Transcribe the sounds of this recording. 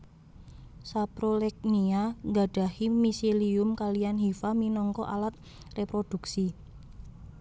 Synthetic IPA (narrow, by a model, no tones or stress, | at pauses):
sapɾolɛk̚niaŋɡa̤ɖ̥a̤himiseliʊmkalijanɦifaminɔŋkɔʔa̰lat̪̚ | repɾod̥ṳksi